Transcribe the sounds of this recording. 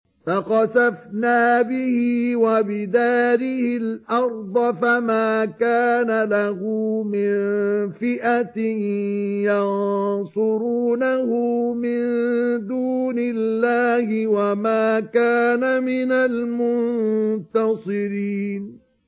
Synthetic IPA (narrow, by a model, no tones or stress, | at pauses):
faqɑsafnaːbɪhɪwabɪd̪aːɾɪhɪlʔɑɾˤd̪ˤɑfamaːkaːnalahʊmɪnfɪʔat̪ɪ | jɑnsˤʊɾuːnahʊmɪnnd̪uːnɪlːaːhɪwamaːkaːnamɪnalmʊnnt̪ɑsˤɨɾiːn